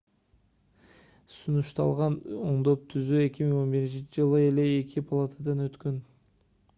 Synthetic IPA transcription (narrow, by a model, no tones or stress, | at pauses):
sunuʃt̪ɑ̰lˠʁɑnoɴd̪o̞p̚t̪ʰyzye̞kʲimiŋo̞nbiɾint͡ʃint͡ʃɪd͡ʒɯlˠɯe̞le̞ːkʲʰipʰalˠat̪ʰad̪ɑnøt̪køn